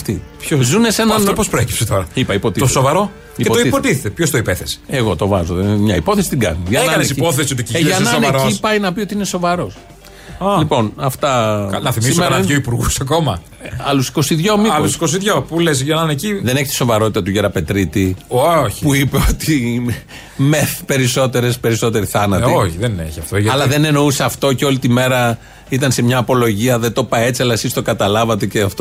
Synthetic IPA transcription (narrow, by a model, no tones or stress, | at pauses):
ɐft̪ipçozunesenɐnft̪opospɾoeci̥pset̪oɾɐipɐipo̞t̪it̪osovɐɾo̞ | ikept̪oipot̪iθet̪epçost̪oipeθese̥eɣo̞t̪o̞vɐ̰zoðemɲɐipo̞θesit̪iɡɐ̰niʝɐeɐkɐnesipoθesiot̪icieɐnɐsoneɾoipɐjnɐpio̞t̪iineso̞vɐɾo̞s | lipo̞nɐft̪ɐnɐθismismoeɐnɐʝoipuɾɣusɐko̞mɐ | ɐlusi̥ko̞siðʝo̞miɐlusi̥kos̬iðʝopulesʝenɐneciðe̞neçet̪i̥so̞vɐɾo̞t̪it̪ɐt̪uʝeɾɐpe̞t̪ɾit̪ioç̥puipeot̪i | meθpe̞ɾiso̞t̪e̞ɾespe̞ɾiso̞t̪e̞ɾiθɐnɐt̪ioçiðeninḛçiɐft̪oʝɐɐlɐðe̞ne̞no̞useɐft̪o̞ceo̞lit̪ime̞ɾɐ | it̪ɐnse̞mɲɐːpo̞lo̞ʝiɐðet̪o̞pɐe̞t͡siɐlɐesist̪o̞kɐt̪ɐlɐvɐt̪e̞ceɐft̪o